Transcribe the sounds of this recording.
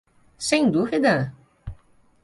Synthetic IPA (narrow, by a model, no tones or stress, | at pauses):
sẽj̃d̪uvid̪ɐ